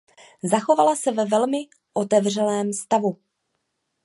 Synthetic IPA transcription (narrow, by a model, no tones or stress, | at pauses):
zaxo̞valasɛvɛvɛlmɪ | ʔo̞t̪ɛvr̝ɛlɛːmst̪avu